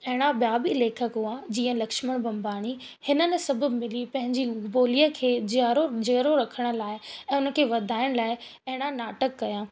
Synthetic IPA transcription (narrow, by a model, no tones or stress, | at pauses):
ɐɦɪɽ̃aɓjaːbileːkʰəkɦuad͡ʑiːə̃lɐkʃməɽ̃bʱɐ̃mbʱaːɽ̃i | hɪnə̆nɪ̆sɐbʱʊ̆mɪlipɐ̃ɦɪ̃ɲd͡ʑiboːliəkʰeːd͡ʑaːɾod͡ʑeːɾoɾɐkʰəɽ̃ə̆laːɪɛ̃ːʊnə̆kʰeːʋɐd̪ʱaːɪɽ̃laːɪɐɦɪɽ̃ãnaːʈəkːɐjãː